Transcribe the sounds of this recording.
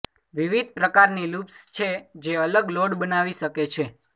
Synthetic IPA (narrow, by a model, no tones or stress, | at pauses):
ʋiʋid̪̚pɾəkaɾnilupst͡ʃʰed͡ʒeələɡloɽbənaʋiʃəket͡ʃʰe